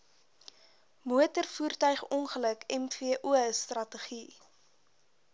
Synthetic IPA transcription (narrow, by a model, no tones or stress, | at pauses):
muətərfuːrtœɥχɔnχələkʰɛmfiəʔuəstrɐtəχi